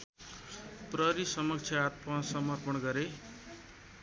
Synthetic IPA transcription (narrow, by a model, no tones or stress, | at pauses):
prʌɾisʌmʌk̚t͡sʰjʌat̪̚pasʌmʌrpʌnɡʌɾe